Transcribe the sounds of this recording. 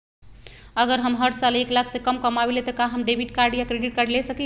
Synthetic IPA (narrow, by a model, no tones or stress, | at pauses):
əɡəɾɦəmɦəɽsaleklakʰsẽkəmkəmawelet̪əkãɦəmɖebʱiʈkaɾɖjakɾeɖiʈ̚kaɖlesəki